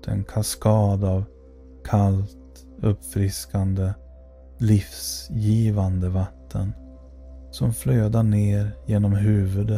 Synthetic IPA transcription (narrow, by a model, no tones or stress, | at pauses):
t̪ʰɛ̰nkʰaskɑːd̪av | kʰalt̪ | ɵpːfɾɪskand̪ə | lɪfsjiːvand̪əvat̪ʰːə̰n | sɔmfløːd̪aɳeːɾjeːnɔmɦʉ̟ːvɵd̪